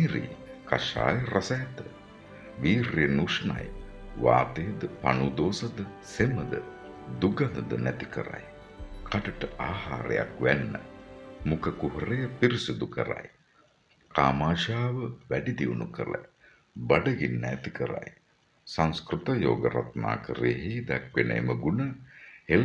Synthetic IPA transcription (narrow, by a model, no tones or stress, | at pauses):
ɾḭkaʃa̰ːjrʔɐsajt̪ə | ʋiːrijənuʂɐna̰jʋaːt̪ejd̪əpanud̪oːsɐd̪əseməd̪ə | d̪uɡand̪əd̪ə̰næt̪ikəɾa̰j | kʰaʈəʈəʔaːha̰ːɾḛja̰kʋænːə̰mukəkuɦəɾejəpiɾisid̪ukə̰ɾa̰j | kaːmaːʃaːʋəʋæɖid̪iunukəɾə̰ | baɖəɡinːt̪ikəɾa̰j | saŋskrut̪ɐjo̰ːɡə̰ɾa̰t̪ma̰ːkəɾeɦid̪ɛkʋenə̰eməɡunəhel